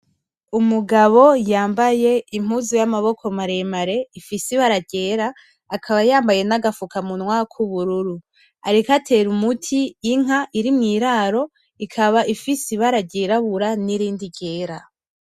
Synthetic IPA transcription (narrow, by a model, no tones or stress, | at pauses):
umuɡaβo̞jaːmbaje̞im̥uzujamaβo̞kʰo̞maɾe̞maɾe̞ifisiβaɾaɟe̞ːɾaː | kʰaβajaːmbaje̞naɡafukamunwakʰuβuɾuɾu | a̰ɾikatʰe̞ɾumutʰiːŋaʔiɾimŋiːɾaːɾo̞ | ikʰaβaʔifisiβaɾaɟeːɾaβuɾaniɾiːndiɟe̞ːɾa